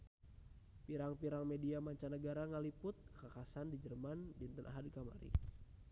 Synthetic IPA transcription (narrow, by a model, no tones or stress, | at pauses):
piɾaŋpiɾaŋmɛdiamaɲt͡ʃanəɡaɾaŋalipʊt̪̚kakasandid͡ʒərmandint̪ənʔa̰ɦadkama̰ɾḭ